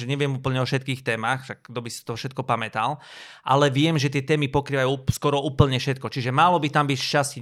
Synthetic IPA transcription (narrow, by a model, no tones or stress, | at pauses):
ʒɛɲɛʋɪɛmuːpl̩ɲɛɔʃɛt̪kiːxt̪ɛːmaxtaɡd̪ɔbisi̥t̪ɔfʃɛt̪̚kɔpamɛt̪al | ʔalɛʋɪɛmʒɛt̪ɪɛt̪ɛːmipɔkɾiːʋajuskɔɾɔuːpl̩ɲɛfʃɛt̪kɔt͡ʃiʒɛmalɔbit̪ambicʃt͡ʃasci